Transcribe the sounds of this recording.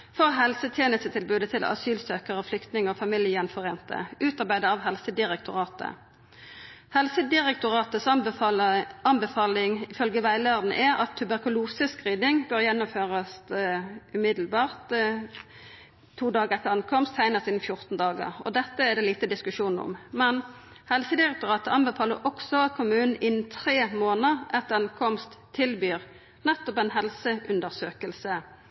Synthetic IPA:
fɔʁɦɛlsət̪ʰjeːnəst̪ət̪ʰɪlbʉːd̪ət̪ʰɪlɑ̰syːlsøːkəʁəflʏkt̪nɪŋəɔfɑmɪljəjɛnfɔʁeːnt̪ə̰ʔʉːt̪ɑʁbæɪd̪əɑʋɦɛlsəd̪ɪʁɛk̚t̪ʰʊʁɑːt̪ə̰ | hɛlsəd̪ɪʁɛkt̪ʊʁɑːt̪əs | ɑnbɛfɑːlɪŋɪfœlɡəʋæɪlæʁd̪n̩ʔɛɾɑ̰t̪ʰːʉbæʁkʉluːsəskʁiːd̪ɪŋbøʁjɛnːʊmføːʁɑs | ʉmɪd̪l̩bɑːʁt̪ | t̪ʰuːd̪ɑːɡəʁɛt̪ːəʁɑŋkʰɔmst̪ʰːæɪnəsɪːnn̩fjʊʁt̪n̩d̪ɑːɡə̰ʁɔ̰d̪ɛt̪ːəæd̪ɛːliːt̪əd̪ɪskʉʃuːnn̩ɔ̰mmɛn | hɛlsəd̪ɪʁɛk̚t̪ʊʁɑːt̪əɑnbəfɑːləʁʔɔksɔɑt̪̚kʰʊmʉːnn̩ɪnn̩t̪ʰʁeːmoːnəʁʔɛt̪ɑŋkʰɔmst̪ʰːɪlbyːʁ | nɛt̪ːɔpæɪnɦɛlsəʔʉnd̪əʁsøːkəlsə

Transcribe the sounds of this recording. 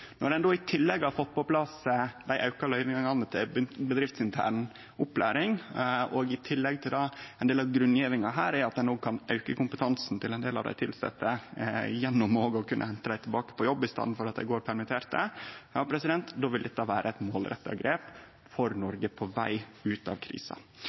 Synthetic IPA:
nɔɾɛnd̪oːɪt̪ʰɪlːɛɡɑfɔt̪̚pɔpʰlɑsəd̪æɪʔɑʉkɑlœʏʋɪŋɑŋɑnət̪ʰɪlbɪnbəd̪ɾɪft̪sɪnt̪ʰæ̰ːɳ | ʊplæːɾɪŋɔːɡɪt̪ʰɪlːɛɡt̪ʰɪld̪ɑɛnd̪eːlɑʋɡɾʉnːjeːʋɪŋɑɦæːɾɛɑt̪̚d̪ɛnoːɡ̚kʰɑnʔɑʉkəkʊmpə̥t̪ʰɑnsn̩t̪ʰɪlɛnd̪eːlɑ̰ʋd̪æ̰ɪt̪ʰɪlsɛ̰t̪ːəjɛnːʊmoːɡəɔkʰʉnʔə̰hɛnt̪əd̪æɪt̪ʰɪlbɑːkə̥pɔjɔbːɪst̪ɑ̰nːn̩fɔɾɑt̪̚d̪æ̰ɪɡoːɾpʰæɾmɪt̪ʰeːɾt̪̚d̪əjɑ̰ːpʰɾɛsɪd̪ɛnt̪d̪oːʋɪld̪ɛt̪ːɑʋæːɾəɛt̪moːlɾɛ̰t̪ːɑ̰ɡɾeːp | fɔɾnɔɾɡəpʰɔʋæ̰ɪʉːt̪ɑ̰ʋkʰɾḭːsɑ̰

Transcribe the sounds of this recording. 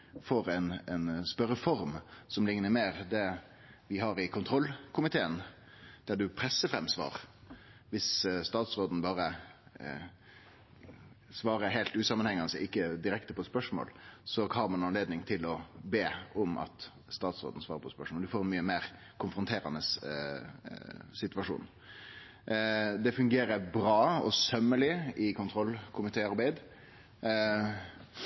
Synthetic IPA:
foːɾɛnɛnspœɾəfɔɾmsɔmlɪŋnəɾmeːɾd̪ɛ | ʋɪɦɑɾɪkʰʊnt̪ʰɾɔlkʰʊmɪt̪ʰeːən | d̪̥æɖʉpʰɾɛsəfɾɛmsʋɑ̰ːʁ | ʋɪsst̪ɑːt̪sɾoːd̪n̩bɑːɾə | sʋɑːɾəɾɦeːlt̪ʉːsɑmənhɛŋːɑnəsɛɪkːəd̪ɪɾɛkt̪əpʰɔspœʂmo̰ːlsɔhɑɾmɑnɑnleːd̪nɪŋt̪ʰɪlɔbeːʊmɑ̰t̪ | st̪ɑːt̪sɾo̰d̪n̩sʋɑːɾəpʰɔspœʂmoːld̪ʉfoːɾɛnmyːəmeːɾ | kʰʊnfɾʊnt̪ʰeːɾɑ̰nəs | sɪt̪ʋɑʂṵːn | d̪ɛfʉŋɡeːɾəɾbɾɑːɔ̰sœmːəlɪɪkʰʊnt̪ʰɾɔlkʰʊmɪt̪ʰeːɑɾbæɪd̪

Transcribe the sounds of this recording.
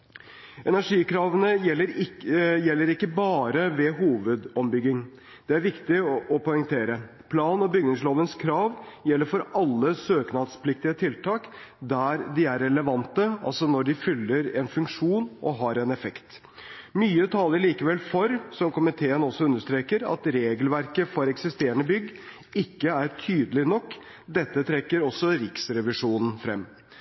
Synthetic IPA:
ɛnæʂiːkʰɾɑːʋənəjɛlːəɾɪjɛlːəɾɪkːəbɑːɾəʋɛɦuːʋəd̪ɔmbʏɡɪŋ | d̪̥ɛæɾʋɪkt̪ɪɔpɔʏŋt̪ʰeːɾə | pʰlɑːnɔbʏɡnɪŋsloːʋənskʰɾɑːʋjɛlːəɾfɔɾɑlːəsøːknɑd̪spʰlɪk̚t̪ɪət̪ʰɪlt̪ʰɑːk | d̪æɾd̪ɪæɾɛləʋɑnt̪əɑ̰lsɔnɔɖɪfʏlːəɾɛnfʉŋkʂuːnʔɔɦɑɾɛnɛfɛkt̪ | myːət̪ʰɑːləɭiːkəʋɛlfɔɾsɔmkʰʊmɪt̪ʰeːənɔsːɔʉnːəʂt̪ɾeːkəɾɑ̰t̪ɾeːɡəlʋæɾkəfɔɾɛksɪst̪eːɾəɳəbʏɡː | ɪkːəæɾʈʰyːd̪əlɪnɔkː | d̪ɛt̪ːət̪ʰɾɛkːəɾɔsɔɾɪksɾɛʋɪʂuːnn̩fɾɛ̰mː

